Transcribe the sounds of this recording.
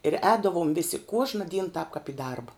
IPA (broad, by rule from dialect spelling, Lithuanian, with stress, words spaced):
ɪr ˈɛːdɐʋoːm ˈʋʲɪsʲɪ ˈkuɔʒnɐ dʲiːn tɑːp kɐp ɪ ˈdɐrbɐ